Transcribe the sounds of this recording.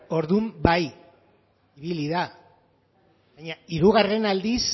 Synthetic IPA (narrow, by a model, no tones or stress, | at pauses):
o̞ɾðumbaj | iβiliða | βaɲaiɾuɣare̞nald̪is